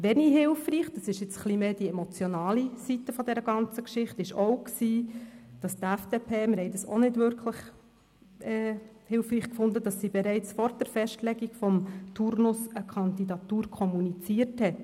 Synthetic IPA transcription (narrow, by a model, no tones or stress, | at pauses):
ʋɛniɦɪlfriːχd̥ɑsɪʃjɪt͡sχlimeːd̥iɛmot͡sjɔnɑːlisit̪ːəfɔdɛɾəɡ̥ɑnt͡səkʃɪχtɪʃowksiːd̥ɑstæfd̥eːpʰeːmɪɾhɛɪdɑso̰nɪdvʏɾkʰləχ | ʔɛː | hɪlfriːχkfʊndəd̥ɑsːibɛɾɛɪt͡sfɔɾd̥ɛɾfɛʃtlɛɡiɡfɔmt̪ʰuɾnʊsəkʰɑnd̪idɑt̪uːɾkʰɔmunit͡siəɾthɛt